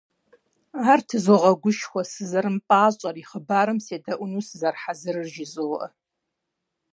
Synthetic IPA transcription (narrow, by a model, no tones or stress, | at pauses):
aːrtʰɨzoʁɐɡʷʊʃxʷɔsɨzɐɾɨmpʼaːɕʼɐriχəbaːɾɨmseːdɐʔʷʊnuːsɨzɐrħazɨrɨrʒɪzʼɨʁɐ